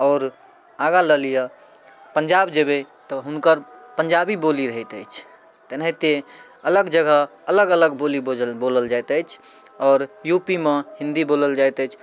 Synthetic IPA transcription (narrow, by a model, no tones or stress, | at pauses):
ɔːɾ | aɡaləlijə | pəɲd͡ʒabd͡ʒebe | t̪ɔɦunkəɾpəɲd͡ʒabiboliɾəɦət̪ə̰jt͡ʃʰ | t̪ənɦet̪e | ələɡd͡ʒəɡəɦələɡələɡboliboləld͡ʒajt̪əjt͡ʃʰ | ɔːɾjupimehĩnd̪iboləld͡ʒajt̪əjt͡ʃʰ